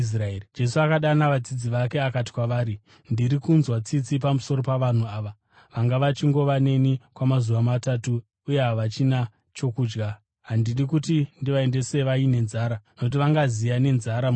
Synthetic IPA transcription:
sraed͡ʒe̞suakaɗanaʋad͡zid͡ziʋake̞akati̥kwaʋaːɾi | ndiɾikunzwat͡sit͡sipamuso̞ɾo̞paʋan̤uaːʋa | ʋaŋɡaʋat͡ʃiŋɡo̞ʋane̞nikwamazuʋamatatuː | je̞ɦaʋat͡ʃina | t͡ʃo̞kuːd͡ʒɡa | ɦandiɗikutindiʋae̞nde̞se̞ʋaine̞nzaːɾanokut̬iʋaŋɡazijane̞nzaɾa

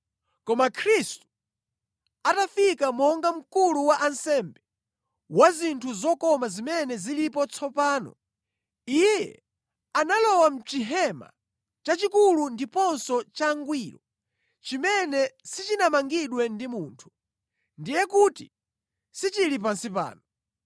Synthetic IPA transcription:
kɔmakʰɾistu̥ | atafikamɔŋɡam̩kuluwaʔansɛmbɛ | wazintʰuzɔkɔmazimɛnɛzilipɔt͡sʰɔpaːnɔ̰ | ijjɛ̰ | analɔwam̩t͡ʃiɦɛma̰ | t͡ʃat͡ʃikulundipɔnsɔt͡ʃaŋɡwiːɾɔ | t͡ʃimɛnɛsit͡ʃinamaŋɡiɗwɛndimuntʰu̥ | ndijɛkutḭ | sit͡ʃilip̬ansipa̰ːnɔ

